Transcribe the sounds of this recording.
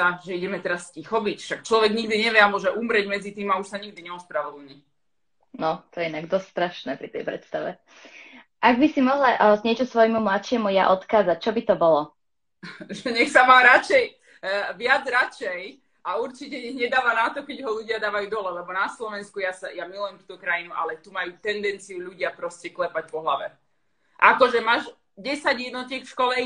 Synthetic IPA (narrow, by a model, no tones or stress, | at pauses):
aʒɛiɟɛmɛt̪ɛɾascixɔbicfʃakt͡ʃlɔʋɛɡɲiɡd̪iɲɛʋjɛamʊɔʒɛʔumɾɛɟmɛd͡zit̪iːmauʃsaɲiɡd̪iɲɛɔspɾaʋɔd̪l̩ɲi | nɔt̪ɔjɛinaɡd̪ɔst̪st̪ɾaʃnɛːpɾit̪ɛjpɾɛ̰t̪st̪aʋɛ | ʔaɡbisimɔɦlaʔzɲɪɛt͡ʃɔsʋɔjmumlatʃɪɛmuja̰ʔɔt̪kaːzac̚t͡ʃɔbit̪ɔbɔlɔ | ʒɛɲɛxsamaːɾat͡ʃɛj | ʋɪad͡zɾat͡ʃɛj | auɾt͡ʃicɛɲɛɣɲɛd̪aːʋanat̪ɔkɛɟɦɔluɟɪad̪aːʋajuːd̪ɔɦlalɛbɔnaslɔʋɛnskujasajamilujɛmt̪uːt̪ɔkɾajinuʔa̰lɛt̪umajuːt̪ɛnd̪ɛnt͡sijuʎuɟɪapɾɔscɛklɛpac̚pɔɦlaʋɛ | ʔakɔʒɛmaːʒ | ɟɛsaɟjɛd̪nɔtiːkfʃkɔlɛ